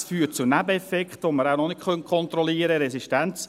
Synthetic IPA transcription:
sfyːt̚t͡sunæbəɛfɛkχt̪ʋoməɾawnɔnɪkχœnkʰɔnt̪ɾɔliːəɾəɾɛsiʃtænt͡s

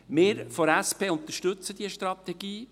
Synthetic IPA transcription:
mɪːɾfɔɾæspeːʊnt̪əʃtɵt͡səd̥̪iəʃtɾɑt̪ɛɡiː

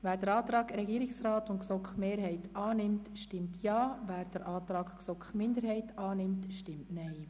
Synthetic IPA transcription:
ʋæːɾd̥əɾɑːt̪ɾɑːɡɾɛɡiːɾɪksrɑːtʊntksɔkχmeːɾhɛɪtɑːnɪmtʃtɪmtʰjɑːvæːɾd̥əɾʔɑːt̪ɾɑːɡksɔkχmɪnd̪əɾhɛɪtɑːnɪmtʃtɪmtnɛɪ

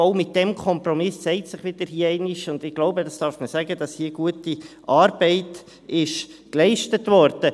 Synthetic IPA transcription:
oʊmɪt̚d̥ɛmkʰɔmprɔmɪssɛɪtsɪχʋɪd̥əɾhiːəɛɪnɪʃʊnd̥̪ɪɡ̥loʊbədɑsd̥ɑːɾfməsæɡədɑshiːəɡ̥uətiʔɑːɾb̥ɛɪt | ɪʃklɛɪʃtətʋɔɾd̥ə

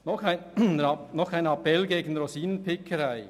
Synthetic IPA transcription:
nɔχaɪnɑnɔχkaɪnɑpɛlɡeːɡən̩ɾosiːnənpʰɪkʰəɾaɪ

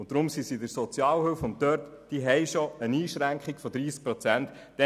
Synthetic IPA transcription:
ʊn̚d̥ɾʊmsisidəɾsɔt͡sjɑːlhøːfʊnttœɾt | d̥iɦɛɪʃɔəniːʃɾæŋkχikfɔd̪ɾiːsk̚pɾɔt͡sæntːɛ

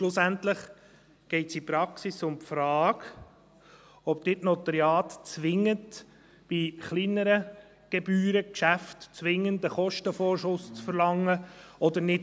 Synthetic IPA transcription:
ʃlʊsæntləχ | ɡ̥ɛɪtsipɾɑksisʊmpfɾɑːɡ | ɔpd̥̪ɪtnɔt̪əɾjɑːtt͡sʋɪŋːət | b̥iχlinəɾə | ɡ̥ɛbyːɾəkʃæftt͡sʋɪŋənd̪əχɔʃtəfɔːɾʃʊst͡sfəɾlɑŋːəɔd̪əɾnɪt

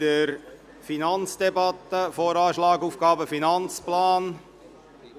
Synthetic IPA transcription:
əɾ | finɑnt͡sd̥ɛbɑt̪əfoːɾɑːʃlɑːɡuːfɡ̥ɑːbəfinɑnt͡splɑːn

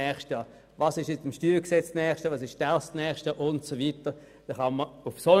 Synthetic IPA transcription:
ɛːχʃtjɑː | vɑːsɪʃjɛt͡stɪmʃtyːlksɛt͡snɛːχʃtjɑːʋɑːsɪʃd̥ɛɐstnɛːχʃtjɑːʔʊntsovitə | d̥ɛχɑnməʊfso

